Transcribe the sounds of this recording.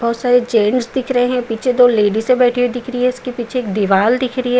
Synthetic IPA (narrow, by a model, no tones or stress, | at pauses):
bɔːt̪saːɾed͡ʒeːɳɖsd̪ɪkʰɾəɦeɦɛ̃piːt͡ʃʰed̪oːleːɖisebɛːʈʰeed̪ɪkʰɾiɦɛʊskepiːt͡ʃʰeːk̚d̪ɪʋaːld̪ɪkʰɾəiɦɛ